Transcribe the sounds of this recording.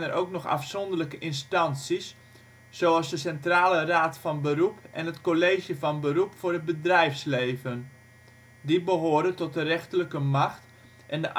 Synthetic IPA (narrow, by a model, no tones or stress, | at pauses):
nərʔowknɔxa̰fsɔndərləkəʔɪnstɑnsis | soɑlˠsdəsɛntraːləraːtfɑnbərupɛ̰nətkoleːʒjəfɑnbərupfʊːrəbədrɛjfsleːvən | dibəɦoːɾətɔt̚dərɛxtələkəmaxt | ʔɛndəʔ